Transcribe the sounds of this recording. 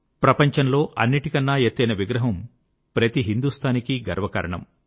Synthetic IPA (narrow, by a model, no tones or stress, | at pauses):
pɾɐpɐɲt͡ʃɐnlo̞ːʔɐnːiʈikɐnːaːjet̪ːɐjnɐʋiɡɾɐɦɐm | pɾɐt̪iɦind̪ust̪ʰaːnikiɡɐɾʋɐkɐ̰ɾɐɳɐ̰m